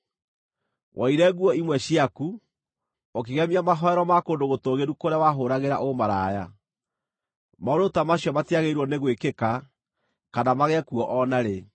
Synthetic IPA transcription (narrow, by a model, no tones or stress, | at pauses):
wʔaiɾɛɣuɔimwɛɕiaku | ok̬eɣɛmiamaɦɔɛɾɔmakoːndoɣotoɣeɾukoɾeawaɦoːɾaɣeɾa̰ʔomaɾaːja | maoɾotamaɕjɔmatiaɣeiɾwɔneɣwekeka | kanamaɣɛkuɔʔɔnaɾe